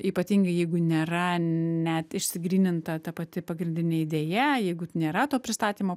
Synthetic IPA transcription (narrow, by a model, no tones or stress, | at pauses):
iːpɐt̪ʲiːŋɡɐɪjɛɪɡʊnʲeːɾɐnʲɛt̪ɪʃʲsʲɪɡɾʲiːnʲɪnt̪ɐt̪ɐpɐt̪ʲɪpɐɡɾʲɪnʲd̪ʲɪnʲeɪd̪ʲeːjɛjɛɪɡʊnʲeːɾɐt̪oːpʲɾʲɪst̪ɑːt̪ʲiːmoː